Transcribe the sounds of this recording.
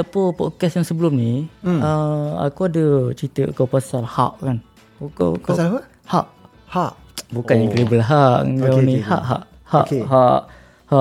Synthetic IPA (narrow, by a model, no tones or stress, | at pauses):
apəpɔ̰t̚kɛsjaŋsəbəlumniəa̰kuadət͡ʃit̪əʔakawpasalha̰ʔkan | oka̰kasa | haʔ | haʔ | bukanjaŋɡlebəlɦaʔŋɡaniha̰ʔɦa̰ʔ | haʔɦaʔ | haʔ